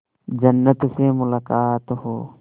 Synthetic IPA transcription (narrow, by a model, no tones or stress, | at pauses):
d͡ʒɐnːət̪semʊlaːkaːt̪ɦoː